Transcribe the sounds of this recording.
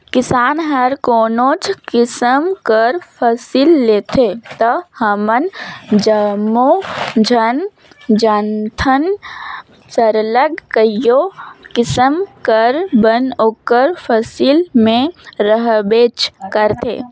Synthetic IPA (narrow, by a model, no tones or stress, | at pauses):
kɪsaːnɦəɾkoːnot͡ʃkɪsəmkəɾpʰəsilːet̪ʰet̪əhəmənd͡ʒəmod͡ʒʱən | d͡ʒənt̪ʰən | səɾləɡkəjokɪsəmkəɾbənoːkəɾpʰəsilmẽɾəɦbeːt͡ʃkəɾt̪ʰḛː